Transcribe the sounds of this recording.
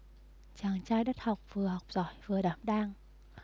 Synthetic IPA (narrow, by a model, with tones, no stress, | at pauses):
t͡ɕaː˨˩ŋt͡ɕaː˧jɗə˦˥t̚ha˨˩wk͡p̚v̥ɨ˨˩əha˨˩wk͡p̚z̥ɔ˧˨˩jvɨ˨˩əɗaː˧˩˦mɗaː˧ŋ